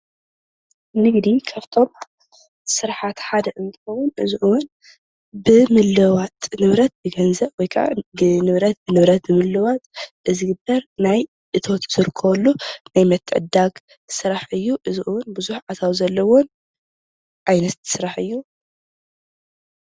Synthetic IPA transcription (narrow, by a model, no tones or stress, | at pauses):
nɨɡd̪ikʰaβt̪ʰo̞m | sɨɾħat̪ħad̪ɐʔɨnt̪ʰɨxɐwːunʔɨzɨʔuwʊn | bɨmɨlːɨwat̪nɨβɾɐt̪̚bɨɡɐnzɐbwɔjkʰa̰ʔa̰bɨnɨβɾɐt̪̚bɨnɨβɾɐt̪̚bɨmɨlːɨwat̪ʔɨzɨɡɨbːɐɾnaj | ʔɨt̪ʰo̞t̪z̥ɨɾkʰːɐβɐlːunajmɐt̪ʰːɨʕɨ̰d̪aɡ | sɨɾaħʔɨjːuʔɨzuʔuwʊnbɨzuħʕat̪ʰawzɐlːɐwon | ʔajnɐt̪sɾaħɨjːu